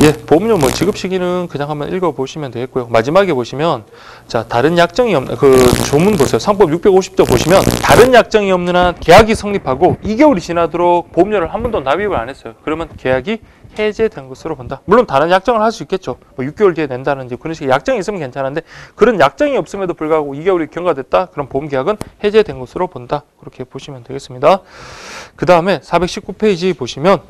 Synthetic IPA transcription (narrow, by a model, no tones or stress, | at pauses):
je̞pomɲomwʌt͡ɕiɡɯp̚ɕ͈iɡinɯnkɯɲaŋɦambʌnʔiɭɡʌboɕʰimjʌndweɦet̚k͈ojomad͡ʑimaɡe̞boɕʰimjʌn | t͡ɕataɾɯnjak̚t͡ɕ͈ʌŋiʌmkɯt͡ɕomunbosʰejosʰaŋp͈ʌbjuk̚p͈eɡoɕʰi̥p̚t͡ɕ͈opoɕʰimjʌntaɾɯnjak̚t͡ɕ͈ʌŋiʌmnɯnake̞jaɡisʰʌŋɲipʰaɡoiɡeuɾit͡ɕinadoɾok̚pomɲoɾɯɭhanbundonawibɯɾa̰ne̞s͈ʌjokɯɾʌmjʌnke̞jaɡi | he̞d͡ʑe̞dwe̞nɡʌsʰɯɾopondamuɭːontaɾɯnjak̚t͡ɕ͈ʌŋɯɭhaɭs͈uik͈ʰːe̞t̚t͡ɕ͈omwʌjuk͈jouɭdiene̞ndanɯnd͡ʑikɯɾʌnɕʰiɡejak̚t͡ɕ͈aŋiːs͈ɯmʌnke̞nt͡ɕʰanɦande̞kɯɾʌnjak̚t͡ɕ͈aŋiʌp̚s͈ɯmʌdopuɭɡaɦɡoiɡeuɾikjʌŋɡadwe̞t̚t͈akɯɾʌnpoɯmɡe̞jaɡɯnhe̞d͡ʑe̞dwe̞nɡʌsʰɯɾopondakɯɾʌkʰe̞poɕʰimjʌntweɡe̞s͈ɯmɲida | kɯdaɯme̞sʰabekɕ͈ʰip̚k͈upʰeid͡ʑipoɕʰimjʌn